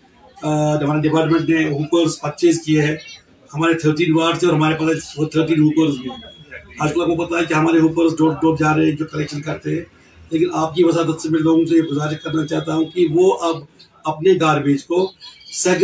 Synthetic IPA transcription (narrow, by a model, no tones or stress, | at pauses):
d͡ʒɐmaːnɖɪpaːɾʈmẽɳʈneɦuːpəɾspɐtːʃiːskieɦɛː | hɐmaːɾet̪ʰəːɾʈiːnʋaːɾʈsẽɔɾɦɐmaːɾepaːset̪ʰəɾʈiːnɦuːpəɾsmẽːaːd͡ʒkəlaːp̚kopɐt̪aɦɛkiɦɐmaːɾeɦuːpəɾsɖoːɖoːʈ̚d͡ʒaːɾeɦɛ̃d͡ʒoːkɐlɛːkʃənkɐɾt̪eɦɛ̃ː | leːkɪnaːp̚kiʋɐsad̪ɐt̪semelloːɡõsejeɡʊzaːɾɪʃkɐɾnat͡ʃaːt̪aɦũkiʋoʔɐb | ɐpneɡaːɾbeːd͡ʒkosɛk